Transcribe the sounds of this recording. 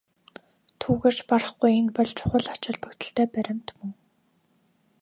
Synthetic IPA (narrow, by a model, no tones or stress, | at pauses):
t̪ʰuːɣeːr̥t͡ɕparə̆χɡujenpɔɮt͡ɕʰʊ̥χə̆ɮɔt͡ɕɪ̆ɮpɵkt̪ɘ̆ɬt̪eːpæɾʲɪ̆m̥t̪mɵŋ